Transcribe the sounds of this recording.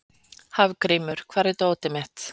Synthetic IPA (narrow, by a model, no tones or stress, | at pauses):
havkɾiːmʏɾ̥kʰvaːɾɪt̪oːwt̪ɪmɛht̪